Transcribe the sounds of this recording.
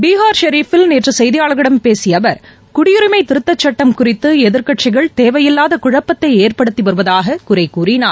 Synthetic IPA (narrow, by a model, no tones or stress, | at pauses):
biːɦaːɾʃɐɾiːfɪlnedrɯsɛjðɪjaːɭɣɪɽɐmpeːsɪjɐʋɐɾ | kʊɽɪjʊɾɪmɐɪt̪ɪɾɯt̪ːɐt͡ʃːɐʈːɐmkʊrɪt̪ːɯɛðɪɾkɐʈt͡ʃɪɣɐɭt̪eːʋɐjɪlːaːðɐkʊɻɐpːɐt̪ːɐɪeːrpɐɽɯt̪ːiʋɐɾɯʋɐðaːɣɐkʊɾɐɪkːuːrɪnaːɾ